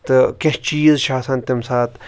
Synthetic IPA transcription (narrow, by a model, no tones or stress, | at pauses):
t̪ɨkʲeht͡ʃiːzʃaːsɐnt̪imsaːt̪